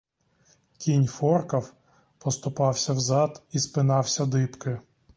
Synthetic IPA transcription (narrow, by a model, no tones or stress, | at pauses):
kʲinʲfɔrkɐw | pɔst̪ʊpɑwsʲɐwzɑd̪ispɪnɑwsʲɐd̪ɪpkɪ